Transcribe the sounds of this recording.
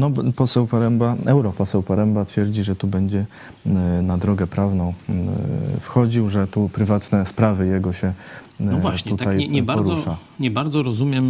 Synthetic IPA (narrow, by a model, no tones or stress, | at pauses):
nɔpɔsɛwpaɾɛmbaɛwɾɔpɔsɛwpaɾɛmbat̪fʲjɛɾd͡ʑiʐɛt̪ubɛɲd͡ʑɛ | nad̪ɾɔɡɛpɾavnɔ̃w̃ | fxɔd͡ʑiwʐɛt̪upɾɘvat̪nɛspɾavɘjɛɡɔɕɛ | vwat̪ut̪aajɛɲɛbaɾɔɔɾɔʂa | ɲɛbaɾd̪zɔɾɔzumʲjɛm